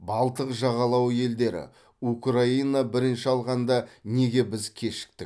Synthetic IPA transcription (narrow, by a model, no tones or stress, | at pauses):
bɑlˠt̪əqʒɑʁɑlˠɑwje̞ld̪e̞ɾɪ̰ | ukrainabɪɾɪnʃɪɑlˠʁɑnd̪ɑne̞ɡʲe̞bɪzkʲʰe̞ʃɪ̥k̚t̪ɪk